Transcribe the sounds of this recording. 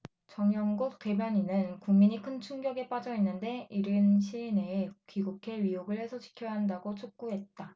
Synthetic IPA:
t͡ɕʌŋjʌŋɡuk̚t͈e̞bjʌɲinɯnkuŋmiɲikʰɯnt͡ɕʰuŋɡjʌɡe̞p͈ad͡ʑʌinːɯnde̞iɾɯnɕʰiine̞ːkiɡukʰe̞ɥioɡɯɭhe̞sʰʌt͡ɕʰi̥kʰjʌɦandaɡot͡ɕʰok̚k͈uɦe̞t̚t͈a

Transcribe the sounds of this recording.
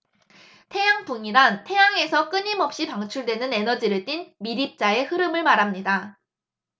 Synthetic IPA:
tʰe̞jaŋtoŋiɾantʰe̞jaŋe̞sʰʌk͈ɯɲimʌp̚ɕ͈ipaŋt͡ɕʰuɭdwe̞nɯne̞nʌd͡ʑiɾɯɭt͈inmiɾip̚t͡ɕ͈ae̞hɯɾɯmɯɭmaɾamɲida

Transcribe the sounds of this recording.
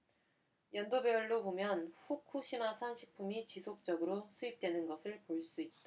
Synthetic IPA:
jʌndobjeʌɭːobomjʌnɸukʰuɕʰimasʰanɕʰi̥k̚pʰumit͡ɕisʰok̚t͡ɕ͈ʌɡɯɾosʰuip̚t͈we̞nɯnɡʌsʰɯɭpoɭs͈uit̚tt͈a

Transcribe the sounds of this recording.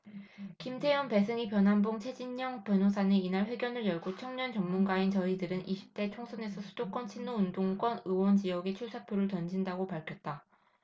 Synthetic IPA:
kimtʰe̞jʌnpe̞sʰɯŋipjʌnɦanboŋt͡ɕʰe̞d͡ʑiɲːʌŋpjʌnosʰaneinaɭɸwe̞ɡjʌnɯɭjʌɭɡot͡ɕʰʌŋɲʌnt͡ɕʌŋmunɡaint͡ɕʌidɯɾɯnʔiɕʰi̥p̚t͈e̞t͡ɕʰoŋsʰʌne̞sʰʌsʰudok͈ʌnt͡ɕʰinːoundoŋk͈wʌnɯwʌnd͡ʑijʌɡe̞t͡ɕʰusʰapʰjoɾɯɭtʌnd͡ʑindaɡopaɭkʰjʌt̚t͈a

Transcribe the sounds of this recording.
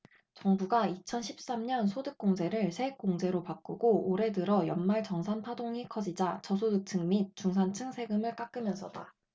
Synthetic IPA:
t͡ɕʌŋbuɡait͡ɕʰʌnɕʰip̚s͈amɲʌnsʰodɯk̚k͈oŋd͡ʑe̞ɾɯɭsʰe̞ik̚k͈oŋd͡ʑe̞ɾopak͈uɡooɾe̞dɯɾʌjʌnmaɭt͡ɕʌŋsʰanpʰadoŋikʰʌd͡ʑid͡ʑat͡ɕʌsʰodɯk̚t͡ɕʰɯŋmit̚t͡ɕ͈uŋsʰant͡ɕʰɯŋsʰe̞ɡɯmɯɭk͈ak͈ɯmjʌnsʰʌd̥a̰

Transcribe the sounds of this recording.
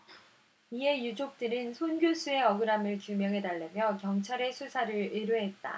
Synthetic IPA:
ie̞jud͡ʑok̚t͈ɯɾɯnsʰonɡjos͈ue̞ʌɡɯɾamɯɭkjumjʌŋɦe̞daɭːemjʌkjʌŋt͡ɕʰaɾe̞sʰusʰaɾɯɾeɾuɦe̞t̚t͈a̰

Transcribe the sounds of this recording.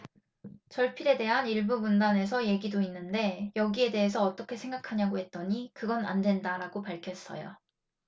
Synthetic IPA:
t͡ɕʌɭpʰiɾe̞de̞ɦaniɭbumundane̞s̬ʰʌje̞ɡidoinːɯnde̞jʌɡie̞de̞ɦe̞s̬ʰʌːt͈ʌkʰe̞sʰe̞ŋɡakʰaɲaɡoɦe̞t̚t͈ʌɲikɯɡʌna̰ndwe̞ndaɾaɡopaɭkʰjʌs͈ʌ̰jo̰

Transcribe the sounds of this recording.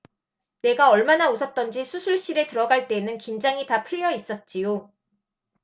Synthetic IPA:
ne̞ɡaʌɭmanausʰʌt̚t͈ʌnd͡ʑisʰusʰuɭɕ͈iɾe̞tɯɾʌɡaɭt͈e̞nɯnkind͡ʑaŋitapʰɯʎːʌis͈ʌt̚t͡ɕ͈ijo

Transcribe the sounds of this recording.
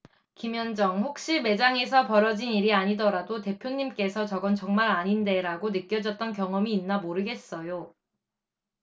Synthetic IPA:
kimjʌnd͡ʑʌŋɸok̚ɕ͈ime̞d͡ʑaŋe̞sʰʌpʌɾʌd͡ʑiniɾiaɲidʌɾadote̞pʰjoɲːimk͈e̞sʰʌt͡ɕʌɡʌnt͡ɕʌŋmaɾaɲinde̞ɾaɡonɯk͈jʌd͡ʑʌt̚t͈ʌnkjʌŋʌmiːnːamoɾɯɡe̞s͈ʌjo

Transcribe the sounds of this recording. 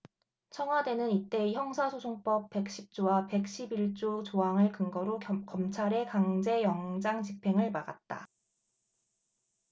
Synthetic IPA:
t͡ɕʰʌŋɦwade̞nɯnit͈e̞içjʌŋsʰasʰosʰoŋp͈ʌp̚p͈e̞k̚ɕ͈ip̚t͡ɕ͈owape̞k̚ɕ͈ibiɭt͡ɕ͈ot͡ɕoɦaŋɯɭkɯŋɡʌɾokʌmt͡ɕʰaɾe̞kaŋd͡ʑe̞jʌŋd͡ʑaŋt͡ɕipʰe̞ŋɯɭmaɡa̰t̚t͈a̰

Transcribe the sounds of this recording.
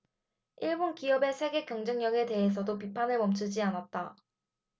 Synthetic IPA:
iɭbonkiʌbe̞sʰe̞ɡe̞kjʌŋd͡ʑʌŋɲʌɡe̞te̞ɦesʰʌdopipʰanɯɭmʌmt͡ɕʰɯd͡ʑianat̚t͈a

